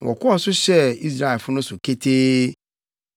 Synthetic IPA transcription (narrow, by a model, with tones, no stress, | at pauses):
wʔɔ̰˨kʰɔ˦ɔ˨sʊ˦ɕɛ˦i˦s̬ɾa˦˨fʊ˦nʊ̃˦sʊ˨kʰe˦tʰeː˦